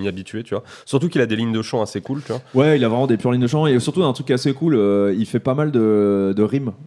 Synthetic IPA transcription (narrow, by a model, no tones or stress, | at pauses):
miabit̪ɥet̪yvwasyʁt̪ukilad̪eliɲd̪əʃɑ̃asekult̪yvwawɛilavʁɛmɑ̃d̪epyʁliɲd̪əʃɑ̃esyʁt̪uɛ̃t̪χykasekuløilfɛpamald̪əd̪əʁim